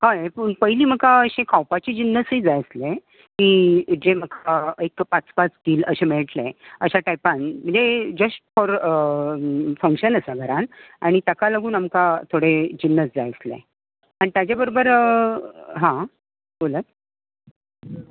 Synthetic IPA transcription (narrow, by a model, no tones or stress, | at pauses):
hajpəɳpəɦjliːm̤əkaəɕẽkʰawpat͡ɕed͡ʑinːəsiːd͡zajslẽ | kiːd͡ʑem̤əkʰaekpat͡spat͡sɡ̪iːləɕẽmeɭʈleəɕaʈajpanm̤əɳd͡zed͡ʑəsʈfɔɾ | fəŋkɕənəsaɡʱəɾanaɽ̃it̪əkalaɡuːnamkat̪ʰoɽed͡ʑinːəsd͡zajslḛ | aɽ̃it̪jad͡ʑjabəɾobəɾ | ɦã | bolət̪̚